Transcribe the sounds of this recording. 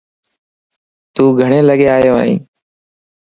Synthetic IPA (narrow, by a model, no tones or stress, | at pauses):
t̪uːɡʱəɳeːləɠeːaːjõ̰ːḭ̃ː